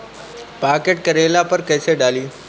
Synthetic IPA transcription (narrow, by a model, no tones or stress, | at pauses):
paːkeʈ̚kɐɾeːlapəɾkɐɪseɖaːliː